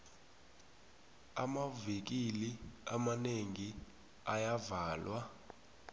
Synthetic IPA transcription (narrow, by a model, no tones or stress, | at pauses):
amavek̬iliamaneŋi | ajavaːlwa